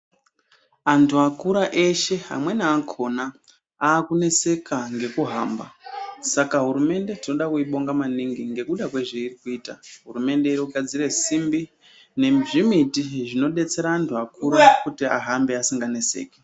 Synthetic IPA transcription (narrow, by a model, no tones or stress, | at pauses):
antʰuakuɾaʔe̞ʃe̞a̰mwe̞naːkʰo̞na | aːkune̞se̞kʰaŋɡe̞kuɦa̰ːmba̰sakaɦuɾume̞nde̞tino̞ɗakuiɓo̞ŋɡamaniŋɡiŋɡe̞kuɗakwe̞ʐeirikuiːtaɦuɾume̞nde̞iɾoɡʱad͡zire̞simbi | ne̞ʐimitiʐino̞ɗe̞t͡se̞ɾaːntʰuakuɾakutia̰ɦambe̞asiŋɡane̞se̞̰ːke